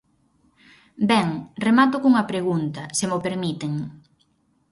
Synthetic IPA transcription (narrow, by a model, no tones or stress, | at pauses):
bɛŋremat̪ʊkuŋɐpɾeɣ̞unt̪ɐsemopeɾmit̪eŋ